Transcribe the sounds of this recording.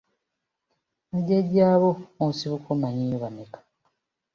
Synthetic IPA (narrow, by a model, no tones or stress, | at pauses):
neɟeɟaːβoosiβukʰomaɲijoβamekḁ